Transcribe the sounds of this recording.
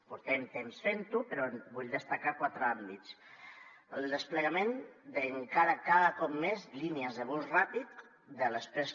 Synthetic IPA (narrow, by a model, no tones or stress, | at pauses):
puɾt̪ɛmt̪emsfent̪upəɾɔbuʎd̪əst̪akakwat̪ɾəambit̪t͡s | əlˠd̪əspləɣamend̪eŋkaɾəkaðəkɔp̚mezliniəzðəβusrapit̪ | d̪ələspɾes